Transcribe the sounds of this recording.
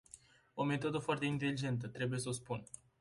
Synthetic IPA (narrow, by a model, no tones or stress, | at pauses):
o̞me̞t̪o̞d̪əfoart̪e̞int̪e̞lid͡ʒe̞nt̪̬ət̪ɾe̞buje̞səospun